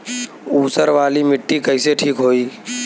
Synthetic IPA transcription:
uːsəɾʋaːlimɪʈːiːkəɪseʈʰiːkɦoːiː

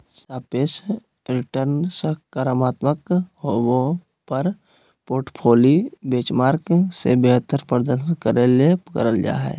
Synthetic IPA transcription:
saːpeːs | ɾɪʈəɾnsəkəɾəmaːt̪məkɦowo | pəɾ | poːɾʈpʰoːlibeːt͡ʃmaːɾksebeɦt̪əɾpəɾd̪əkəɾelepkə̰ɾəld͡ʒa̰ːɦɛ̰ː

